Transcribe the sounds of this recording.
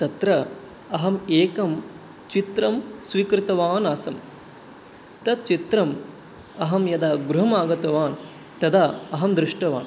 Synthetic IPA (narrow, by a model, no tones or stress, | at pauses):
t̪ɐt̪ɾɐ | ɐɦɐmeːkɐm | t͡ʃit̪ɾɐmsʋikɾɪt̪ɐʋaːnaːsɐm | t̪ɐd̪̚t͡ʃit̪ɾɐm | ɐɦɐmjɐd̪aːɡɾuɦɐmaːɡɐt̪ɐʋaːn | t̪ɐd̪aɐɦɐmd̪ɾɪʂʈɐʋa̰ːn